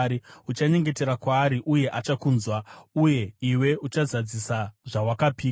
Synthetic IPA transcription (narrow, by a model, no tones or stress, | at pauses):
iut͡ʃaɲe̞ŋɡe̞te̞ɾakwaːɾiʔuje̞ʔat͡ʃakuːnzwauje̞iwe̞ut͡ʃazad͡zisaʐawakapiː